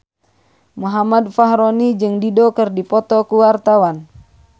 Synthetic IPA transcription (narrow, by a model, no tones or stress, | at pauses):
muɦamadfaɦɾɔnid͡ʒɨŋdidɔkɨrdipɔt̪ɔkuwart̪awan